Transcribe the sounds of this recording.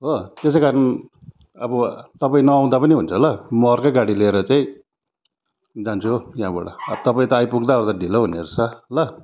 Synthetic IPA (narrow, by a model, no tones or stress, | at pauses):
ɦot̪es̬ejkaɾʌn | ʌbʌt̪ʌpaĩnʌaw̃d̪apʌniɦunt͡sʰʌɦlʌmʌrkaɡaɽileeɾʌt͡saĩ | d͡zant͡sʰujjɦãba̰ɽa̰t̪ʌpaĩt̪ʌajpuɡd̪aod̪aɖʱiloɦuneɾut͡sʰʌlʌ